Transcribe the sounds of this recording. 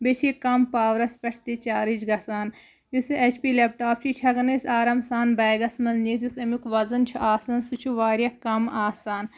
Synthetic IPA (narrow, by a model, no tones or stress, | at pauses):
bet͡ʃʰikɐmpaːʋɾɐspʲɐʈʰt̪it͡ʃaːɾid͡ʒɡɐsaːn | jusʔet͡ʃʰpiːlep̚ʈaːp̚t͡ʃʰit͡ʃʰɐɡɐnɐsaːɾɐmsaːnbɐːɡɐsmɐnniːt̪jusɐmjukʋɐzɐnt͡ʃʰuʔaːsɐnsut͡ʃʰuʋaːɾjɐkːɐmaːsaːn